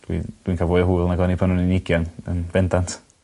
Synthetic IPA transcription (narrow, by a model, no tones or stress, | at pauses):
d̥wḭd̥winkʰavoːðəɦuɨlˠnaɡɔnipʰanuninɪɡjanənb̥ɛndantʰ